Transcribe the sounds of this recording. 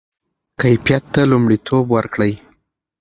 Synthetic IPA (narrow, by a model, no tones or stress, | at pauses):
kajfjat̪ːalumɽit̪ʰobwaɾkɽəj